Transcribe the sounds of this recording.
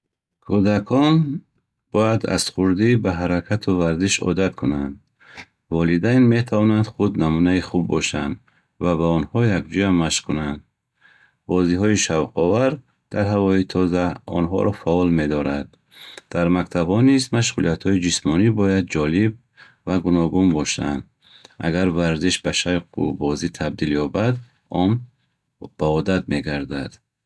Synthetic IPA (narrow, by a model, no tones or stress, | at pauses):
kʰud̪akʰɔn | b̥ɔjad̪a̰sχuɾd̪ibaɦaɾakʰat̪ʰuvaɾziʃɔ̰d̪at̪kʰunand̪ | vɔlid̪ajnme̞t̪ʰavɔnand̪χud̪namunaiχubːɔʃa̰nd̪ | vabaɔnhɔjakd͡ʒɔjamaʃkʰunand̪̚ | bɔziɦɔiʃavqʰɔvaɾ | d̪̥aɾɦavɔit̪ʰɔzaɔ̰nɦɔ̰ɾɔfaɔlme̞d̪ɔɾad̪̥̚ː | aɾmakt̪ʰabhɔnizmaʃ̬ʁulijat̪hɔid͡ʒismɔnibɔjad̪̚d͡ʒɔlib̚ | vaɡunɔɡunbɔʃa̰nd̪ | ʔa̰ɡaɾvaɾziʃbaʃajqʰṵbɔzit̪ʰab̚d̪iljɔbad̪ | ɔm | b̥aɔd̪ad̪me̞ɡaɾd̪ad̪̥